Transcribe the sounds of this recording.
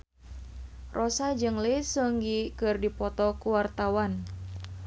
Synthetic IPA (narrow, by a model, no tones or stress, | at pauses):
rʔɔsad͡ʒɨŋlisuŋɡikɨrdipɔt̪ɔkuwart̪awan